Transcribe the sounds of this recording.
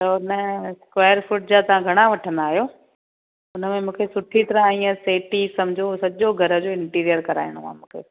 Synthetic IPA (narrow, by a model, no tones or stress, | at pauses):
sɐʊnəskʋaːjəɾfʊʈ̚d͡ʑaːt̪ɐʋ̤ãɡʱɐɽ̃aʋɐʈʰə̃nd̪aːɦijoː | ʊnəmẽmũːkʰesʊʈʰit̪ɐɾə̃aĩːə̃seːʈisɐmd͡ʑʱosɐʄoɡʱɐɾə̆d͡ʑoːɪ̃ɳʈiːɾijəɾkɐɾa̰ːiɽ̃omã̰ːmũːkʰḛː